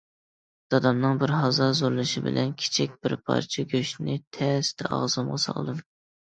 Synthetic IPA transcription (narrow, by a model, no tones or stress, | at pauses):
d̪̥ɑd̪ɑmnɨŋbɪɾɦɑzɑzoɾlˠɨʃibɪ̰lʔɛnkʲʰi̥t͡ʃʰikʲbɪɾpʰɑ̰ɾt͡ʃʰiɡʲøʃnɪt̪ʰɛst̪ʰɛʔɑ̰ʁzɨmʁɑsɑ̰lˠd̪ɨm